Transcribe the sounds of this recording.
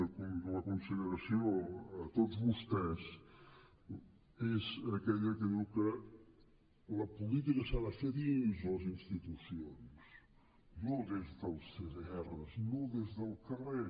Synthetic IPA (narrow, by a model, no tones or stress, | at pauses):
kud̪əlɐkunsəʎəɾɐsjoɐt̪oðuzβust̪ɛs | ezɐkɛʎɐkəðukə | lɐpulit̪̬ikɐsaðafeðinzolɐzinst̪it̪usions | nõðezðəlˠsezɛrɐznõðezðəlˠkəre